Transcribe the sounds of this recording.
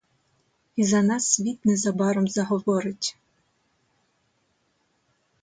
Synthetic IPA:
izanasvʲit̪̚nɛzabaɾɔmzɐɦɔvɔɾɪtʲ

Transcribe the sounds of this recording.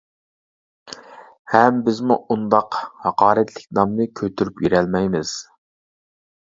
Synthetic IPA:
hɛmbɪzmuund̪ɑqhɑqɑːɾɛt̪ʰlɪk̚ʲnɑmnɨkʲʰøt̪ʰyɾypjiɾɛlmɛjmɪz̥

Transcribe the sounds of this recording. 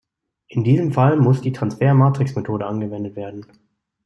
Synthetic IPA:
ʔɪndiːzəmfalmʊsd̥iːtʁ̥ansfeːɐmaːtʁ̥ɪksmetʰoːdəʔanɡəvɛndətv̥eːɐdn̩

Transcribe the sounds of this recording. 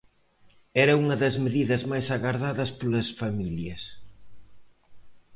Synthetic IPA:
ɛɾɐuŋɐðɐzmeðiðɐzmajsaɣaɾðaðɐspolɐsfamiljɐs

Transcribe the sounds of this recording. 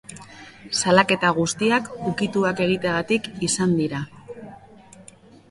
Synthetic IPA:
salake̞t̪aɣ̞ust̪iakukit̪uake̞ɣ̞it̪eaɣat̪ikisand̪iɾa

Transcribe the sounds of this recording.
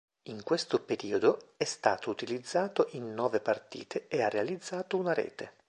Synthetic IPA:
iŋkwest̪opeɾiːod̪oɛst̪a̰ːt̪out̪ilid̪zːaːt̪oʔinːɔːvepart̪ḭːt̪ʰeearːealid̪zːaːt̪ounaɾḛːt̪e

